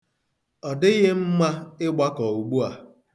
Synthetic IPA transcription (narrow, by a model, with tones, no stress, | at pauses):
ɔ˨dɪ˦ɣɪ˦m̩˦ma˦ɪ˦ɡ͡ba˦kɔ˨u˨ɡ͡bu˦a˨